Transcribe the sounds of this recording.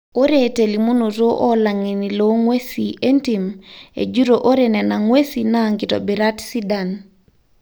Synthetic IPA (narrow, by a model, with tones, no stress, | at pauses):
o˦ɾete˨li˨mu˦nu˨ɾo˦ʔɔ˦la˨ŋi˨nilo˦ŋwe˦siʔe˦ntimḛ˨d͡ʒu˦ɾoʔo˦ɾenɛ˨na˨ŋwe˦sina˦ŋkitɔ̰˨bi˨ɾa˦tsi˦dan